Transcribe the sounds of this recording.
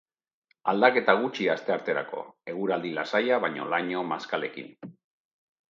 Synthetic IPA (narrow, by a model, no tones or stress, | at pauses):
ald̪ake̞t̪aɣ̞ut͡ʃiast̪e̞aɾt̪e̞ɾa̰ko̞̰e̞ɣuɾald̪ilasajaβ̞aɲo̞̰laɲo̞maskale̞kḭn